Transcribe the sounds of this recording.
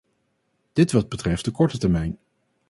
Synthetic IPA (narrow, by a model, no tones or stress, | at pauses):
d̥ɪtʋɑd̚bətrɛft̚dəkɔɹtətɛɹmɛjn